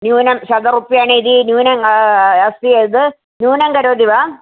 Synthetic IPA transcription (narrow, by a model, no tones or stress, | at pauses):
njuːnɐmɕɐɡ̪ɐrupːijaːɳɨiðinjuːnɐŋɐsijed̪ɨ | njuːnɐŋɡɐɾoːd̪iʋaː